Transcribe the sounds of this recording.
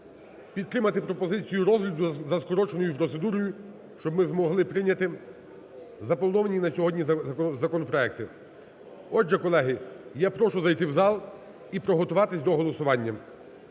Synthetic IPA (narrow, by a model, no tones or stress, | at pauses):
pʲid̪̚t̪ɾɪmɐt̪ɪpɾɔpɔzɪt͡sʲijuɾɔzɦlʲɐd̪ʊzɐskɔɾɔt͡ʃenɔjʊupɾɔt̪sed̪uɾɔjʊ | ʃt͡ʃɔbmɪzmɔɦlˠɪpɾɪnʲɐt̪ɪ | zɐpɔlˠnɔʋɐnʲinɐsʲɔɦɔd̪ʲnʲizɐkɔnɔpɾɔɛk̚t̪ɪ | ɔd͡ʒɛkɔlˠɛɦɪjapɾɔʃʊzɐjt̪ɪwzɑlˠ | ipɾɔɦɔt̪ʊʋɑt̪ɪsʲd̪ɔɦɔlˠɔsʊʋɑnʲːɐ